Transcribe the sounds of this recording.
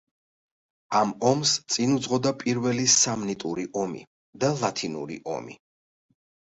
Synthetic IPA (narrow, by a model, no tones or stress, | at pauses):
amɔmst̪sʼinud̪zʁɔd̪apʼiɾvɛlisamnit̪ʼuɾiʔɔmḭ | d̪alˠat̪ʰinṵɾḭʔɔ̰mḭ